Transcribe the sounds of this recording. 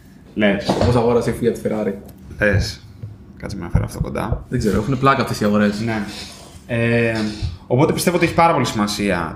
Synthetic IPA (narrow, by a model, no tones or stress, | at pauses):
lesposɐɣo̞ɾɐseifiɐt̪i̥feɾɐɾies | kɐtt͡simnɐfeɾɐ̰ft̪o̞ko̞̰nd̪ɐ̰ðeɡze̞ɾoexuneplɐkɐft̪esiɐɣo̞ɾe̞sne̞ | e | o̞po̞t̪e̞pist̪e̞oot̪eçipɐɾɐpo̞lisimɐsiɐ̰